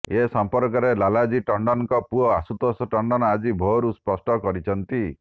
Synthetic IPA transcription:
esɔmpɔɾkɔɾelalad͡ʒiʈɔɳɖɔnŋkɔpuɔasut̪ɔsɔʈɔɳɖɔnɔad͡ʒibʱoɾuspɔsʈɔkɔɾit͡ʃʰɔnt̪i

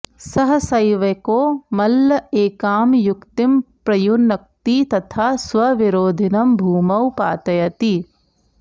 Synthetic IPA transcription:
sɐɦɐsɐjʋɐkoːmɐlːɐeːkaːmjukt̪impɾɐjunɐk̚t̪it̪ɐt̪ʰaːsʋɐʋiɾoːd̪ʱinɐmbʱuːmɐwpaːt̪ɐjɐt̪i

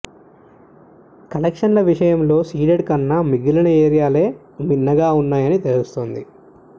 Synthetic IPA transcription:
kɐlɐkʂɐnlɐʋiʂɐjɐmlo̞ːsiːɖeɖkɐnːɐmiɡilɐnɐeːɾijaːle̞ː | minːɐɡaːunːaːjɐnit̪e̞lust̪oːnd̪i

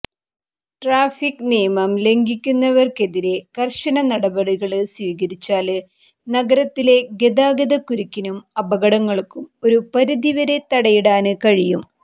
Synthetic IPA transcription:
ʈraːfikːnejɐmɐmle̞ŋɡikʲːunːɐʋɐrke̞ðiɾe̞kɐrɕɐnɐnɐɽɐbɐɽiɣɐɭɨswiːɣɐɾit͡ɕːaːlɨ | nɐɡɐɾɐt̪ːile̞ɡe̞d̪aːɡɐðɐkːuɾikʲːinumɐbɐɣɐɽɐŋːɐɭkːumo̞ɾupɐɾuðiʋɐɾe̞t̪ɐɽɐjiɽaːnɨkɐɻijum

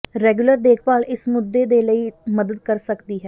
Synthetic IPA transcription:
ɾɛːɡjʊləɾd̪eːkʰʋaːlʔɪsmʊd̪ːeːd̪eːləiːməd̪əd̪̚kəɾsəkd̪iːɦɛː

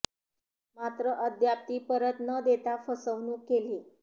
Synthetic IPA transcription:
mat̪ɾəʔəd̪ʱjap̚t̪iːpəɾət̪nəd̪et̪afəsəʋnuːkːeliː

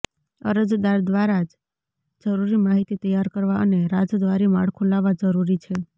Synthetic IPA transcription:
ə̰ɾəd͡ʒd̪aɾd̪ʋaɾad͡ʒ | d͡ʒəɾuɾimaɦit̪it̪əjaɾkəɾʋaəneɾad͡ʒd̪ʋaɾimaɭkʰulaʋad͡ʒəɾuɾit͡ʃʰe

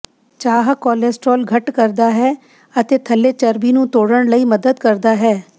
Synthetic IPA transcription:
t͡ʃaːɦkɔːleːsʈɾoːlɡʱəʈkəɾd̪aːɦɛː | ət̪eːt̪ʰəlːeːt͡ʃəɾbiːnũːt̪oːɽəɳləiːməd̪əd̪kəɾd̪aːɦɛː

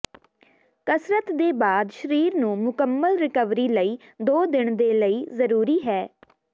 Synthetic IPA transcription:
kəsɾət̪d̪eːbaːd̪ʃəɾiːɾnũːmʊkəmːəlɾɪkəʋɾiːləiːd̪oːd̪ɪɳd̪eːləiːzəɾuːɾiːɦɛː

